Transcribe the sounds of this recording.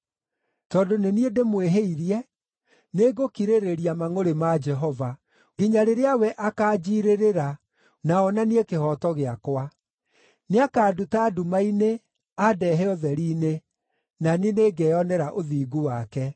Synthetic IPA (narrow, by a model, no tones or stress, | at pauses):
tɔːdoneniedemweɦeiɾjɛ | neɡokiɾeɾeɾiamaŋoɾemad͡ʒɛɦɔva | ɡiɲaɾeɾeawɛʔakaːd͡ʒiɾeɾeɾa | naɔnaniekehɔtɔɣeakwa | neakaːdutaːdumaine | adɛɦɛɔðɛɾiːne | naneneɡɛɔnɛɾaʔoðiːɡuwakɛ